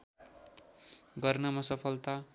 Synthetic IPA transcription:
ɡʌrnʌmasʌpʰʌlt̪a

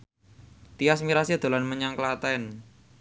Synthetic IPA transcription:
t̪iasmiɾasiad̪̥o̤lanməɲaŋklat̪ɛn

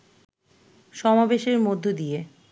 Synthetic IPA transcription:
ʃɔmabeʃeɾmod̪ʱːod̪ije

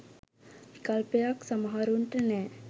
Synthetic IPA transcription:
ikalpejaksamaɦaɾuɳʈənɛː

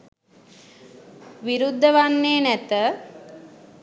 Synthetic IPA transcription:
ʋiɾud̪ʱːəʋanːeːnæt̪ə

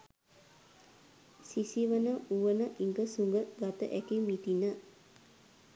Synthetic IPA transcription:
sisiʋənəuʋənəʔiŋɡəsuŋɡəɡat̪ə̰ʔækimit̪inə

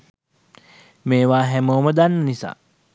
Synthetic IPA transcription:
meːʋaːɦɛmoːməd̪anːənisa̰ː

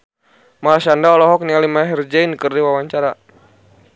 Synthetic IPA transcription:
malaʃandaɔlɔɦɔk̚nialimaɦird͡ʒainkɨrdiwawaɲt͡ʃaɾa

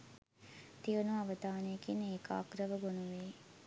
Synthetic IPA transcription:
t̪iʋunuaʋəd̪aːnəjəkinəeːka̰ːkɾəʋəɡonuʋeː

